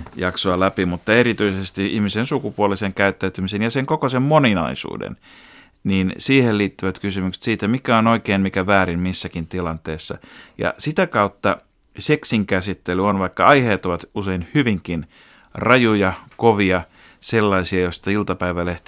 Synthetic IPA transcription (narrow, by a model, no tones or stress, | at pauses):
jɑksoɑlæpimut̪ːɑerit̪yisest̪iihmisensukupuoliseŋkæyt̪ːæyt̪ymisenjɑseŋkokosemmoninɑ̰isṵːdḛn | niːnsiːheliːt̪ːyʋæt̪kysymykse̥t̪siːt̪æmikæonoikeːnmikæʋæːɾinmisːækint̪ilɑnt̪eːsːɑ̰jɑ̰sit̪ækɑut̪ːɑ | seksiŋkæsit̪ːelyonʋɑikːɑɑiheːt̪oʋɑt̪useinhyʋiŋkin | rɑjujɑkoʋiɑ | selːɑisiɑjost̪ɑilt̪ɑpæiʋæleht̪